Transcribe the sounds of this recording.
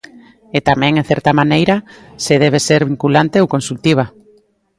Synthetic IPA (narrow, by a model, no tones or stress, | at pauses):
et̪amɛ̃ŋẽnθɛɾt̪amanejɾaseð̞eβ̞eseɾβiŋkulant̪eowkonsult̪iβ̞a